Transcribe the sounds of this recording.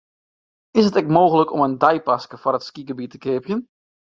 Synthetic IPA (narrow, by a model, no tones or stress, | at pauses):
ɪsətɛkmoːɣələkɔ̰məndɑjpɑskəfʊrətskikəbitəkeːpjən